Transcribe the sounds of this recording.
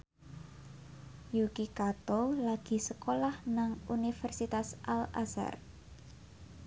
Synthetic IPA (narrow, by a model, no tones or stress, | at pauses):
jukikat̪olaɡ̥i̤səkolahnaŋunifɛrsit̪asʔalasa̰r